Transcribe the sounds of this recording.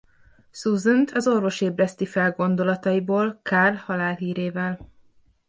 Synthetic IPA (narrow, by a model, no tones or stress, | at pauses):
suzunt̪ʰɒzo̞rvo̞ʃeːbrɛst̪ifɛlɡo̞nd̪o̞lɒt̪ɒjiboːlkaːrhɒlaːlɦiːɾeːvɛl